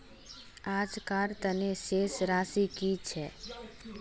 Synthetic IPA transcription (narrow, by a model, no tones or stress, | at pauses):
aːd͡ʒkaɾt̪əneʃeːsɾaːsikit͡ʃʰɛ